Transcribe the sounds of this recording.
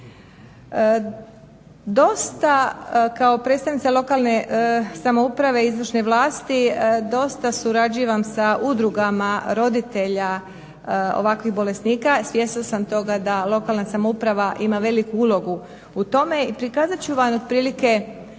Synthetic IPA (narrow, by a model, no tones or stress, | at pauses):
d̪o̞st̪akao̞pɾet̪st̪aʋnit̪salˠo̞kalˠnesamoupɾaʋe̞izʋr̩ʃneʋlaːst̪id̪o̞st̪asuɾad͡ʑiʋamsaʔud̪ɾuɡamaɾo̞d̪it̪e̞ʎa | o̰ʋakʋiɣbo̞le̞sniːkasʋje̞siosamt̪o̞ɡad̪alˠo̞kalˠnasamoupɾaʋaʔimaʋe̞likuulo̞ɡu | ut̪o̞me̞ipɾikaːzat͡ɕuʋamod̪̚pɾiːlike̞